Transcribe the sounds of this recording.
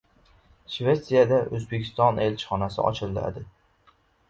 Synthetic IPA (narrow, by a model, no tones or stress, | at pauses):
ʃve̞t̪sijad̪aʔɵzbekʲʰɪ̥st̪ɒne̞lʲt͡ʃχɒnasɪ̰ɒ̰t͡ʃʰɪlˠd̪ɪ̰a̰d̪ɪ